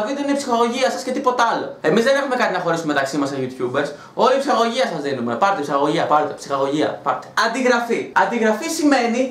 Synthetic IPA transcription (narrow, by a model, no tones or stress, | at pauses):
viðuineipsixɐɣo̞ʝiɐsɐsce̞t̪ipo̞t̪eɐlo̞̰e̞mizðene̞xume̞kɐt̪inɐxo̞ɾisumet̪ɐksimɐseʝut̪çube̞ɾs | o̞liːpsixɐɣo̞ʝiɐsɐzðinume̞pɐɾot̪epsixɐɣo̞ʝiɐpɐɾot̪e̥psixɐɣo̞ʝiɐ̰pɐɾot̪eɐnd̪iɣɾɐfiɐnd̪iɣɾɐfisime̞ni